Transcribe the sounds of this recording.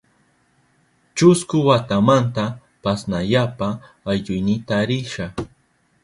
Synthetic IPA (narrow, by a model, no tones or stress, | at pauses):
t͡ʃʊskʊwat̪amant̪a | pasnaʎapaː | jʎʊjnɪt̪aɾɪʃa